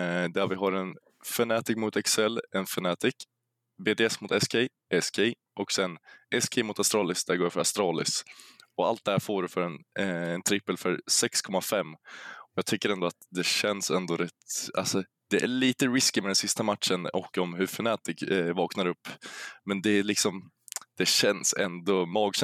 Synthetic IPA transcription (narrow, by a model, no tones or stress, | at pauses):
d̪ævɪɦaɾɛn | fɛnɛːt̪ɪkmʊt̪ɛksɛlːɛnfɛnɛːt̪ɪk | beːd̪eːɛsmʊt̪ɛskʰɛ | ʔɛskʰɛ | ʔɔksɛnʔɛskʰɛmʊt̪ast̪ɾɑːlɪsd̪æɾɡoːɾfœɾast̪ɾɑːlɪ̰sɔa̰lt̪̚d̪ɛhæːɾfoːɾɵfœɾɛnɛnt̪ʰɾɪpːəlfœɾsɛkskʰɔmːafɛmːɔjɑːɡ̚t̪ʰʏkːəɾɛnd̪ɔat̪d̪ɛɕɛnsɛnd̪ɔɾɛt̪a̰lsɔ | d̪̥ɛʔæɭiːt̪əɾɪskɪmɛd̪ɛnsɪst̪amat̪ʂənɔkːɔmɦɵfɛnɛːt̪ɪkvɑːknaɾɵpːmɛnd̪ɛælɪksɔm | d̪̥ɛɕɛnsɛ̰nd̪ɔmɑːɡɕ